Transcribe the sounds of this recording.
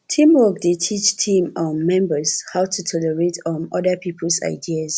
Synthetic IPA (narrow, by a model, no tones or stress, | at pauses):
tʰĩmwɔk̚detʰit͡ʃtʰĩmɔ̃nmɛ̃mbəshaʊtʰutʰɔlɛɹetʰɔ̃nɔdəpʰipʰəlsa̰ɪdias